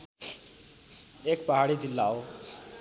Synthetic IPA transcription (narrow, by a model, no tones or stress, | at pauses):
ekpaɦaɽid͡zilːao